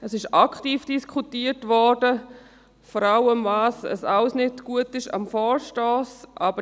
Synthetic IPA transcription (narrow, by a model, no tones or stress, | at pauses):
ɛsɪʃakχtiːfd̥iskʰutiːətʋɔdə | fɔɾawəmvaːsə̰saləsnɪdɡ̥uətɪʃa̰mfɔːɹʃtɔːsʔabə